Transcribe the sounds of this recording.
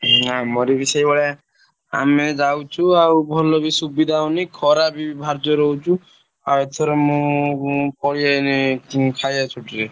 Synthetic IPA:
ɦãmoɾibisɔjbɔɭa | a̰med͡ʒawt͡ʃʰuawbʱɔlɔbisubid̪ʱawnikʰɔɾabibʱaɾd͡ʒɔɾɔɦut͡ʃʰu | aet̪ʰɔɾɔmũ | pɔɭiankikʰajat͡ʃʰuʈiɾe

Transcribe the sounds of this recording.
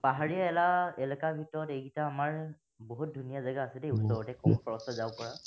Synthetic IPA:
paɦaɹijaɛlaɛlɛkabʱitɔɹɔtejɡitaːmaɹ | boɦut̚dʱunijazaɡaːsɛdɛusɔɹɔtɛkɔmkʰɔɹɔstɔzawkɔɹa

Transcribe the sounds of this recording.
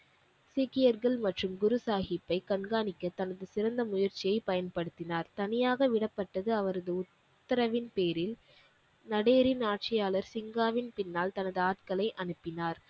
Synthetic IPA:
sikɪjɐɾɣɐɭmɐʈrɯmɡʊɾɯsaːɣɪpːɐɪkɐɳɡaːnɪkːɐt̪ːɐnɐðɯsɪɾɐnd̪ɐmʊjɐɾt͡ʃːɪjɐɪpɐjɐnpɐɽɯt̪ːɪnaːɾt̪ɐnɪjaːɣɐʋɪɽɐpːɐʈːɐðɯɐʋɐɾɐðɯʊt̪ːɐɾɐʋɪnpeːɾɪl | nɐɽeːɾɪnaːʈ̚t͡ʃɪjaːlɐɾsɪŋɡaːʋɪnpɪnːaːlt̪ɐnɐðɯaːʈkɐlɐɪʔɐnɯpːɪnaːɾ

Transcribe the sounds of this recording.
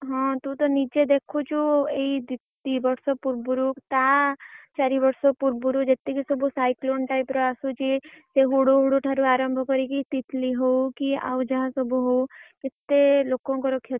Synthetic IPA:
ɦɔ̃t̪ũt̪ɔnid͡ʒed̪ekʰut͡ʃʰueid̪ɪt̪ːibɔɾsɔpuɾbuɾukt̪at͡ʃaːɾibəɾsopuɾbuɾud͡ʒet̪ːikisɔbusaːɪkloːnʈaːipɾɔasut͡ʃiseɦuɽuɦuɽuʈʰaɾuaːɾəmbʱɔkɔɾikit̪ɪt̪ʰliɦoukia̰ːud͡ʒɐɦãsɔbʱuɦoukɪt̪ːeloːkõkɔɾɔkʰje

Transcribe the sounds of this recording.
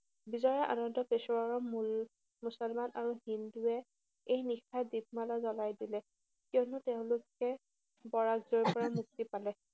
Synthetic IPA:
bizɔjɛʔa̰nɔndɔpesɔwaɹɔmul | musɔlmanʔaɹuɦinduɛ | ejnixadib̚malɔzɔlajdilɛ | kiɔnʊtɛʊ̃lʊkɛ | bɔɹaɡzɔɹpɔɹamuk̚tipalɛ

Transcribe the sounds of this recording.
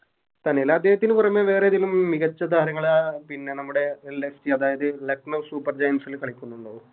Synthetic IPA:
t̪ɐnelaɐd̪ːeːɦɐt̪ːinɨpurɐmːeʋe̞ːreɐðilumːiɣɐt͡ɕːɐd̪ʱaːɾɐŋːɐɭaːpinːe̞nɐmːuɽe̞lːesʈiɐðaːjɐðɨlɐknɐʋsuːpːɐrd͡ʑɐjnsilkɐɭikʲːunːuɳɖoːu

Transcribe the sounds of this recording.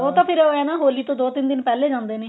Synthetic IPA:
oːt̪ãːpʰɪɾoːɛːnãːɦoːliːt̪õːd̪oːt̪ɪnd̪ɪnpɛːleːd͡ʒãːnd̪eːneː

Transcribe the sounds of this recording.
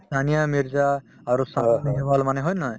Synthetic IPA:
stʰanijamiɹzaː | ɹusazɛbalmanɛɦɔjna

